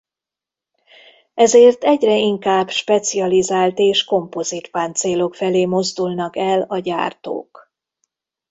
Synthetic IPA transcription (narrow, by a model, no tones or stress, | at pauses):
ɛzeːrt̪ɛɟrɛiŋkaːbʃpɛt̪siɒlizaːlt̪eːʃko̞mpo̞zit̪faːnt̪seːlo̞kfɛleːmo̞zd̪ulnɒkɛlɒɟa̰ːrt̪o̰ːk